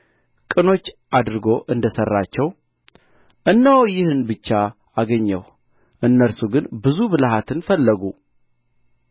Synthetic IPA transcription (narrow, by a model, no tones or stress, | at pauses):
kʼɨno̞t͡ʃːʔad̪ɾɨɡo̞ʔɨnd̪əsərːat͡ʃːɛw | ʔɨnːəwjɪhɨnbɨt͡ʃːa | aɡəɲːɛw | ʔɨnːəlsuɡɨnbɨzubɨlɦat̪ʰɨnfəlːəɡu